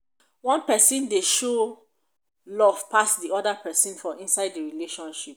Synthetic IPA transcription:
wɔ̃npɛsĩndeʃo | lɔv̥pasdiɔdapɛsĩnfɔʔĩnsaɪddəɹileʃɔ̃nʃip̚

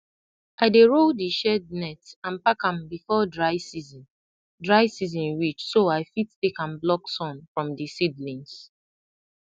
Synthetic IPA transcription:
ʔaɪdeɹodiʃɛd̚nɛtãnpakãmbifɔdɹaɪsizĩn | dɹaɪsizɔ̃nwit͡ʃsoaɪfittekãmblɔksɔ̃nfɹɔ̃mdisidlĩns

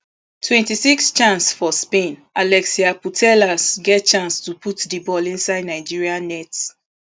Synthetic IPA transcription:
tʰwɛ̃ntisikst͡ʃãnsfɔspẽnalɛksiaputʰɛlasɡɛt̚t͡ʃãnstuputdibɔlĩnsaɪdnaɪd͡ʒiɹiãnɛt

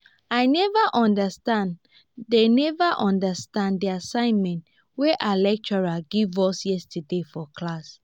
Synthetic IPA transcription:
aɪnɛvaʔɔ̃ndəstãn | denɛvaʔɔ̃ndəstãndiasãɪ̃nmɛ̃nt | weʔalɛk̚t͡ʃɔɹaɡivɔsjɛstədefɔkʰlas

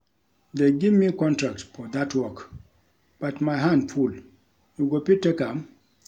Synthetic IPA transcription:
deɡivmikɔ̃ntɹak̚tfɔd̪atwɔk | b̥atmajɦãndful | juɡopitekãm

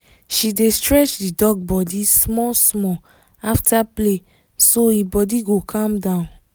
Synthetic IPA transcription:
ʃidestɹɛt͡ʃdidɔɡ̚bɔdismɔsmɔ | aftʰaple | soibɔdiɡokʰãmdãʊ̃n

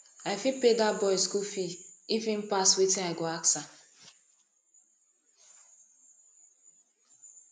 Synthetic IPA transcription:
aɪfipedabɔiskufiifĩm̩paswetĩaɪɡoaksa

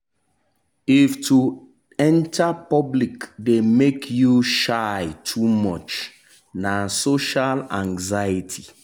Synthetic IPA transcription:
iftʰu | ɛ̃ntapɔblikdemekʰjuʃaɪtʰumɔt͡ʃ | nasoʃalãŋzajitʰi

